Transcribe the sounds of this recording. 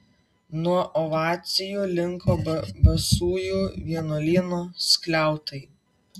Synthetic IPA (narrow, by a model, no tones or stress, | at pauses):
nuɔʔɔʋɑːt̪sʲɪjuːlʲɪŋkʰoːbbɐsuːjuːʋʲiɛnoːlʲiːnoːsʲkʲlʲæˑʊt̪ɐɪ